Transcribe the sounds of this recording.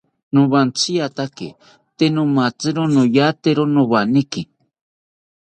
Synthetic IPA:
nʊ̃βant͡sijat̪akḛ | t̪enõmat͡sɨɾonõjat̪eɾonõβaniki

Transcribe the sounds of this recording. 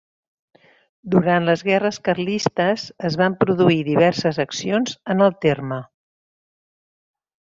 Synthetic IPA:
d̪uɾant̪ləzɣɛrəskərlist̪əzəzβampɾuðuiðiβ̞ɛrsəzəksionzənəlˠt̪ermə

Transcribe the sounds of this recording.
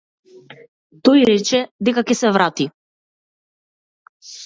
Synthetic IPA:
t̪ɔjɾɛt͡ʃɛd̪ɛkakɛsɛvɾat̪i

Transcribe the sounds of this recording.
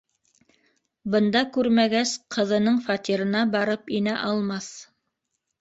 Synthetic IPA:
bɤ̆nd̪ɑkʉɾmæɡæsqʰɤ̆ðɤ̆nɤɴfɑt̪iɾɤ̆nɑbɑɾɤpinæʔɑlˠmɑθ

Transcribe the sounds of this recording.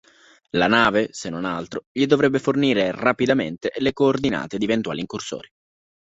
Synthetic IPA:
lanaːvesenːonalt̪ɾoʎid̪ovɾɛbːeforniːɾerapid̪ament̪elekoːrd̪ina̰ːt̪ed̪ievent̪wa̰ːliŋkurso̰ːɾi

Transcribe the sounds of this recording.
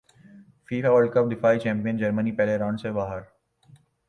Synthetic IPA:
fiːfaʋəɭɖkəp̚d̪ɪfaːit͡ʃɛ̃ːmpijənd͡ʒɐɾmənipɛɦleɾãːɳsebaːɦəɾ

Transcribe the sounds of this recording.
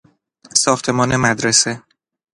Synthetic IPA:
sɒːxt̪ʰe̞mɒːnemæd̪ɾese

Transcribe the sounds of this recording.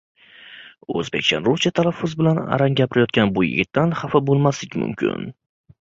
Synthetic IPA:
ɵ̰zbekʲt͡ʃanɾʊt͡ʃat̪ʰalafːʊzbɪlana̰ɾaŋɡʲapʰɪɾɪjɒt̪̚kʲanbʊjɪ̰ɡʲɪt̪ʰːanhafabolˠmaslɪkʲmʊ̰mkʲʰɪ̰n

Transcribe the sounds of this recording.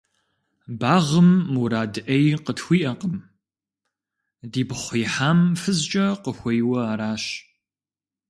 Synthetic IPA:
baːʁəmːuɾaːdɨʔɐjqətxʷiːʔɐqəm | diːbχʷiːħaːmfɨzt͡ʃʼɐqəxʷɐjwɐaɾaːɕ

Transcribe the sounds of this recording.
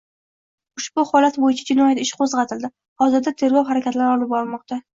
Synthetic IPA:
ʊʃbʊhɒlat̪bojɪt͡ʃʰad͡ʒɪnɒjat̪ɪʃqʰozʁɑt̪ʰɪld̪ɪ | hɒzɪɾd̪at̪ʰe̞ɾɡʲɒwɦaɾakʲʰat̪laɾɒlˠɪp̚bɒɾlmɒq̚t̪ʰa

